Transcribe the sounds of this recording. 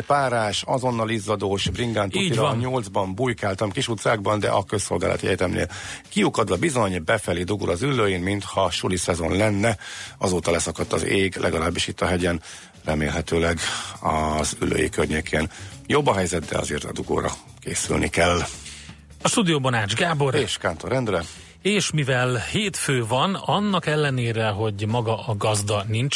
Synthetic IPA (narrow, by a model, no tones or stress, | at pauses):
paːɾaːʃɒzo̞nːɒlizːɒd̪oːʃbriŋɡaːnt̪utːiɾɲo̞ld̪zbɒmbujkaːlt̪ɒmkiʃut̪saːɡbɒnd̪ɛ̰ʔɒkøsːo̞̰lɡaːlɒ̰t̪iɛt̪ɛmnḛːlkiukɒd̪ʋɒbizo̞ɲbɛfɛlid̪uɡṵɾɒzylːøːjinmint̪hɒʃulisɛzo̞nlɛnːɛɒ̰zoːt̪ɒlɛsɒkɒt̪ːɒzeːɡlʔɛ̰ɡɒlaːbːiʃit̪ːɒɦɛɟɛn | rɛmeːlɦɛt̪øːlɛɡɒzy̰lːø̰ːjḭkørɲeːkʰeːnjo̞bːɒɦɛjzɛt̪̚d̪ɛ̰ɒ̰zeːrt̪ɒ̰d̪uɡo̰ːɾɒ | keːsy̰lnʔḭkɛlː | ɒʃt̪ud̪ijoːbonaːd͡ʒɡaːbo̞reːʃkaːnt̪oɾɛnd̪rɛ | eːʃmivɛlheːt̪føːvɒnɒnːɒkɛlːɛneːɾɛɦo̞ɟmɒɡɒʔɒɡɒzd̪ɒnint͡ʃ